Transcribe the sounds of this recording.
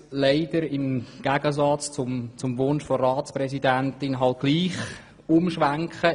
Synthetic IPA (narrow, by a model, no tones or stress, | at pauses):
leɪd̥əɾɪmɡ̥æɡ̥əzɑt͡st͡sʊmt͡sʊmʋʊnʃfɔrɑːt͡sprɛsidæntɪnɦɑlt̚ɡ̥liːχ | ʊmʃʋæŋkχə